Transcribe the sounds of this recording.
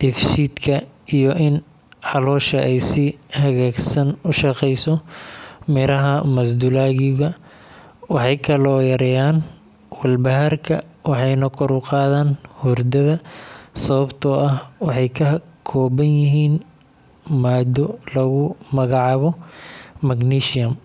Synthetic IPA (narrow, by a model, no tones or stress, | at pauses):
d̪̥ɪfʃiːd̪kʰɐijɔʔɪn | ʕɑlɔːʃɐʔɛjsɪhɐɣaːɡsɐnʊʃɑqɛjsɔ | mɪɾɐɦɐmɐs̬d̪ulaːɣɪɣɐ | wɑħɑjkʰɐlɔːjɐɾɛjaːn | wɐlbɐɦarkʰɐ̰wɑħɑjnɐkʰɔɾʊqɑːðaːnhʊrd̪ɐðɐsɐβɐbt̪ʰɔʔɐhwɑħɑjkʰɐɦkʰɔːβɐnjɪɦiːn | maːd̪ɔlɐɣʊmɐɣɑʕɑβɔmɐɡniːʃɪjɐm